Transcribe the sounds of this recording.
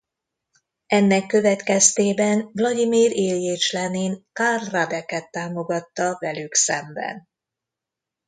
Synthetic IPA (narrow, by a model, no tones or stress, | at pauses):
ɛnːɛkːø̞vɛt̪kɛst̪eːbɛnvlɒd̪imiːɾeːljeːt͡ʃlɛninkarːad̪ɛkɛt̪ːaːmo̞ɡɒt̪ːɒvɛlyksɛmbɛ̰n